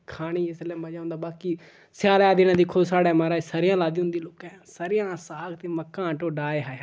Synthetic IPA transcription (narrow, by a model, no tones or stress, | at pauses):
kʰaːɽ̃iːɪsleːmaːd͡ʒaːʊnd̪aːbaːkiː | sjaːɾɛːd̪ɪːnãːd̪iːkʰʊd̪saːɽɛːmaːɾaːsəɾɪjãːlaːd̪iːɦʊ̃nd̪iːloːkɛ̃ːsəɾɪjãːsaːɡt̪eːməkːãːʈoːɖaːeɦaːja